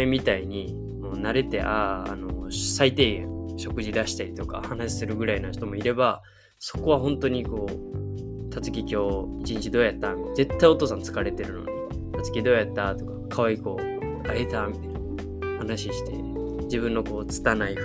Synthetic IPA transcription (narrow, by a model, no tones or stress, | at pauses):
emʲit̪aiɲ̟i | moːnaɾe̞t̪e̞̰ʔa̰ːno̞sait̪e̞ɕo̞kɯ̟ʑid̪aɕi̥t̪aɾʲit̪o̞ka̰hanaɕi̥sɨɾɯ̟ɡɯ̟ɾainaɕi̥t̪o̞mo̞iɾe̞ba | so̞̥ko̞βaɦõ̞nt̪o̞ɲ̟iko̞ː | t̪ʰat͡sɨ̥k̬ʲikʲo̞ːit͡ɕĩɲ̟t͡ɕid̪oːjat̪ːamʲit̪ed͡ze̞t̪ːaio̞t̪o̞ːsãnt͡sɨ̥kaɾe̞t̪e̞ɾɯ̟no̰d̪ | t̪at͡sɨ̥kʲid̪o̞ːjat̪ːat̪o̞kḁkʰaβaiko̞ː | aet̪amʲit̪an | hanaɕiɕi̥t̪e̞̰ | d͡ʑibɯ̟̃nːo̞ko̞ːt͡sɨ̥t̪anai